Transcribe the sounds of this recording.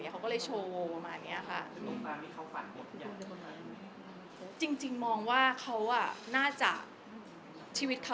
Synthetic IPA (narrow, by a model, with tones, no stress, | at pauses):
i˦˥kʰa˦wkɔ˥˩ɤ˧˩jt͡ɕʰoː˧o˧pa˧maː˧nːiː˦˥ʔa˨˩kʰa˥˩˧o˧ŋkaː˧nt̪ʰi˥˩kʰa˦˥wfa̰˨˩ŋo˨˦˩a˧˦ | t͡ɕi˧ŋt͡ɕi˧ŋmɔː˧ŋwaː˥˩kʰa˦˥wʔa˧˥˩naː˥˩t͡ɕa̰˨˩ | t͡ɕʰiː˧˩wi˦˥t̪̚kʰa˦˥